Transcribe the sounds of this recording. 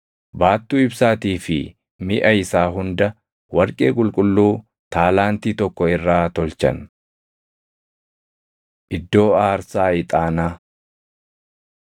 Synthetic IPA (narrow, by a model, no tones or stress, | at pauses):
baːt̪ːuːɪbsaːt̪iːfɪ̰ | mɪʔɐɪsaːɦʊnd̪ɐ | wɐɾkʼe̞ːkʼʊlkʼʊlːuː | t̪aːlaːnt̪iːt̪ɔkːɔɪrːaːt̪ɔlt͡ʃɐ̰n | ʔɪd̪ːo̞ːaːɾsaːɪt̪ʼaːnaː